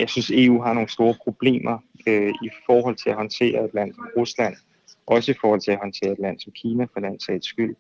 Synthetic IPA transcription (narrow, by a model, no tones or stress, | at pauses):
jɑ̈ɪsynse̝ṵːɦɑ̈no̝ːn̩sd̥o̝ːɐpʰʁo̝b̥le̝̰ːmʔɐ | øifɒːɦɒ̽l̰t͡sʰe̝læhɒ̽nt͡sʰe̝̰ːɐe̝d̥læn̰sɒ̽mʁuslæn̰ | ʔɒ̽səifɒːhɒ̽l̰t͡sʰe̝æhɒ̽nt͡sʰe̝̰ːɐe̝d̥læn̰sɒ̽mkʰiːnæfɒlæn̰sɛd̥sɡ̥yl̰